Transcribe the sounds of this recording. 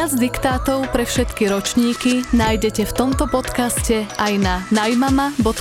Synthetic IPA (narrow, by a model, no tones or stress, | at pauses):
ad͡zd̪ikt̪aːt̪ɔʊpɾɛfʃɛt̪kiɾɔt͡ʃɲiːkinaːjɟɛcɛft̪ɔmt̪ɔpɔt̪kascɛajnanajmamabɔt̪